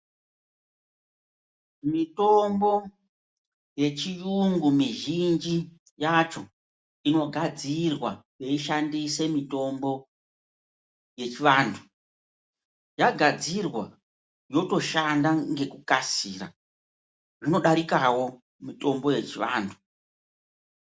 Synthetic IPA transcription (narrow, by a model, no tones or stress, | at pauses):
mito̞mbo̞ | je̞t͡ʃijuŋɡumiʒind͡ʒi | jat͡ʃo̞ | ino̞ɡʱad͡zirwaje̞iʃandise̞mito̞mbo̞ | je̞t͡ʃiʋaːndʰu̥ | jaɡʱad͡zirwa | jo̞to̞ʃandaŋɡe̞kukasiːɾa̰ | ʐino̞ɗaɾikawo̞ | mito̞mbo̞je̞t͡ʃiʋa̰ːndʰu̥